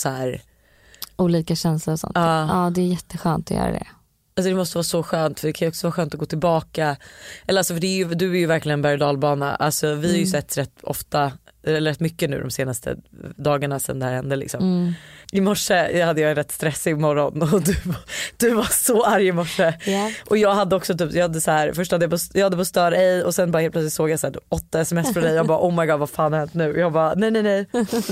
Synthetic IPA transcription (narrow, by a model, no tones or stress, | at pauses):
sɔɦæːɾ | uːliːkaɕɛnslʊɾɔsɔ̰nɑːɑːd̪ɛːjɛt̪ʰːəɧœ̰ːnt̪ɔ̰jœ̰ːɾa̰d̪ɛ̰ | alsɔd̪ɛmɔst̪əvɑːsɔɧøːnt̪fœɖɛkʰanjʏɔksɔvɑːɧœːnt̪ɔɡoːt̪ʰɪlbɑːkaɛlːəasɔfəɖɛæjɵd̪ɵæɾjɵvæɾklɪɡənbæjd̪ɑːlbɑːna̰ʔa̰lsɔvɪhaɾjʉsɛt̪ːɾɛt̪ːɔ̰ft̪aɛləɾɛt̪ːmʏkːənʉ̟ːd̪ɔ̰mseːnast̪ʰə̰d̪ɑːɡaɳasɛ̰nd̪ɛhæːɾhɛnd̪əlɪ̰ksɔmmʔɪmɔʂːəhad̪ːəjɑːɾɛt̪ːst̪ɾɛsːɪɡmɔɾɔnɔd̪ɵvad̪̥ɵvasɔaɾjɪmɔʂːəʔɔjɑːɡhad̪ːəɔksɔt̪yːpjɑːhad̪ːəsahæːɾfœʂʈhad̪ːjapʰɔsjɑːhad̪ːəpʰɔst̪œːɾaɛjɔsɛnbɑɾhelpʰlœtslɪt̪soːɡjasæːʈ̪ʰːpɔt̪ːaɛsɛmɛsfɾɔd̪ɛjɑːɡbɑːʔɔːmaɪɡɑːd̪vafɑːnhahɛnt̪nʉ̟ːjɑːɡbɑːnɛjnɛnɛj